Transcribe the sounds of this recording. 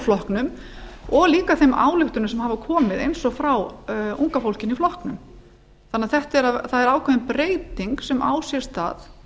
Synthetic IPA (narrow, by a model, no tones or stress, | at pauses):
flɔhknʏmɔɣliːkaθejmʔa̰ːwlʏht̪ʏɾnʏsɛmɦaːvakʰɔːmɪðejnsɔɣfɾawṵŋkafowlcɪniflɔhknʏm | θanːaðθɛht̪ɛɾaθaðɛɾaːwkʰvɛvɪnpɾeːjt̪iŋksɛmʔa̰ːwsjɛ̥st̪a̰ːð